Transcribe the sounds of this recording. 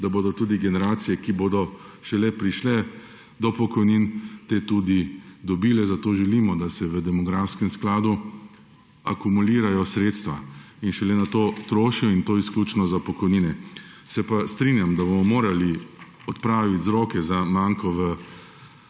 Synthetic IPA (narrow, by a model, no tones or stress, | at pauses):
d̪aboːd̪ɔt̪uːd̪iɡɛnɛɾaːt̪sijɛkiboːd̪ɔ | ʃɛlɛpɾiʃlɛ | d̪ɔpɔkɔjniːnt̪eːt̪uːd̪id̪ɔbiːlɛzat̪oːʒɛliːmɔd̪asɛʋəd̪ɛmɔɡɾafskɛmsklaːd̪u | a̰kumuliːɾajɔsɾeːt̪st̪ʋa | inʃɛlɛnat̪oːt̪ɾoːʃijɔint̪oːiskluːt͡ʃnɔzapɔkɔjniːnɛ | sɛpast̪ɾinjamd̪abomɔmoːɾali | ɔt̪pɾaːʋit̪zɾoːkɛzamaːŋkɔʋə